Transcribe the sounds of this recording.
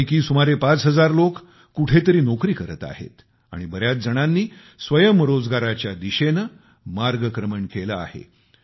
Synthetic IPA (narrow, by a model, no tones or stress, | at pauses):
jkiːsumaɾepat͡sɦəd͡zaɾlokː | uʈʰet̪əɾiːnokɾiːkəɾət̪a̰hḛt̪ | a̰ɽ̃ibəɾjat̪̚d͡zəɽ̃anːiː | sʋəjəmɾod͡zɡaɾat͡ɕjad̪iɕenə | maɾɡəkɾəməɳkeləa̰hḛ